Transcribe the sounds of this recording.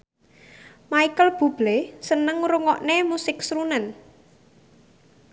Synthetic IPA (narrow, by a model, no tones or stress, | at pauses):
maikəlb̥ub̥lesənəŋɾuŋɔʔnemusɪksɾunən